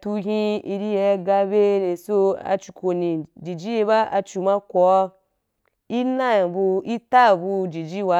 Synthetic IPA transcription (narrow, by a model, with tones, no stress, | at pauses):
tu˧ɦĩ˦i˧ɾi˦jɛ˧˦ɡa˧be˦ɾe˨so˦a̰˧t͡ʃu˨ko˨nĩ˨d͡ʒi˨d͡ʒi˦je˧βa˦a˧t͡ʃu˨ma˦kɔ˨˦ | i˦na˦ja˨bu˧i˦ta˦˨bu˧d͡ʒi˨d͡ʒi˦wa˧˦